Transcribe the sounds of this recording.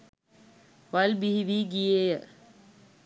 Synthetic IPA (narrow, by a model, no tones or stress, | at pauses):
ʋɐlbiɦiʋiːɡijejə